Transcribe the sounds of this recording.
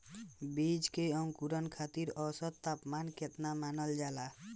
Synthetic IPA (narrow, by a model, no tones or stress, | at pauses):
bid͡ʒkejɔŋkuɾɔnkʰat̪iɾɔsɔt̪t̪apmanket̪namanɔld͡ʒala